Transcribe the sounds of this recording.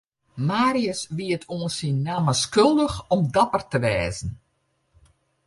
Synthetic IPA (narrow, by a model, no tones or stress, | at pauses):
maːɾiəsʋiətʰoːənsinːaməskølˠdəxɔmdapərtəʋɛːzn̩